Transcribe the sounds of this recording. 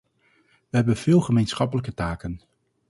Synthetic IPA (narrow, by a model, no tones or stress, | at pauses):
ʋəɦɛbənv̥ɪːlˠχəmejnsχɑpələk̬ətaːkən